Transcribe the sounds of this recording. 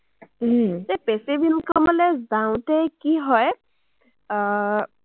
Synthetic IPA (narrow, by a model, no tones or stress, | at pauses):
tepesebinkɔmalɛzaw̃tɛkiɦɔj